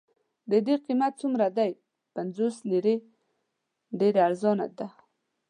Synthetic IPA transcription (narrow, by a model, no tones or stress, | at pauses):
d̪əd̪eqimat̪̚t͡sumɾad̪aj | panzosliɾe | ɖeɾeaɾzɑna̰d̪a